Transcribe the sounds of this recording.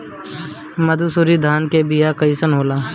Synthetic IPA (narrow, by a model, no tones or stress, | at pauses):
mɐd̪usuɾid̪ʱaːnkebijakəisənɦoːlaː